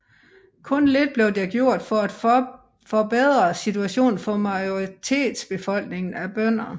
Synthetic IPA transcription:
kʰɔ̽nle̝d̥̚b̥le̝ʊd̥eɡ̥jo̝ɐ̰d̥fɒ̽æd̥ | fɒ̽beðˠʁɐsit͡sʰuæɕo̝̰ːnfɒ̽mɑ̈ɪoʁit͡sʰe̝̰ːd̥sb̥e̝fɒ̽l̰ɡ̥ne̝ŋn̩æb̥œn̰ɐ

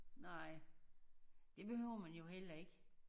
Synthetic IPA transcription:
nɑɪ̰ | d̥e̝b̥e̝høʊɐmænjo̝ɦel̰ɐe̝ɡ̥ə

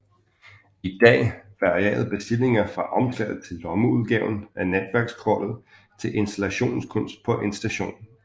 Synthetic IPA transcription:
id̥ɛ̰ːʋɑ̈ʁiɛ̰ːð̩ˠb̥e̝sd̥ile̝ŋɐfʁɑ̈ʔɒ̽msælð̩ˠt͡sʰe̝lːɒ̽məuð̞ˠɡ̥ɛʊ̰n̩æned̥ʋæɐɡ̥skʰɒ̰ːd̥ð̩ˠ | t͡sʰe̝lʔe̝nsd̥ælæɕo̝̰ːnskʰɔ̽n̰sd̥̚pʰɒ̽ʔe̝nsd̥æɕo̝̰ːn

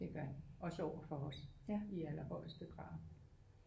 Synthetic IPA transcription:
d̥e̝ɡ̥ɶɐɒ̽səɒʊ̰ɐfɒ̽ɒsjæiælɐhɒ̽ɪ̰lsd̥əɡ̥ʁɑ̈ː

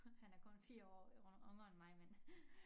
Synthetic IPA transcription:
hænæɐkʰɔ̽nfiːɐɒ̰ːɔ̽ŋɒnmɑ̈ɪmen

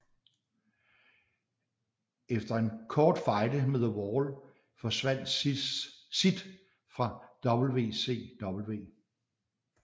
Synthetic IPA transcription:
efd̥ɐe̝nkʰɒːd̥fɑ̈ɪd̥əmeðˠəwɒːl | fɒ̽sʋæn̰d̥ | sid̥ | fʁɑ̈d̥ɒ̽b̥l̩ʋe̝̰ːse̝̰ːd̥ɒ̽b̥l̩ʋe̝̰ː

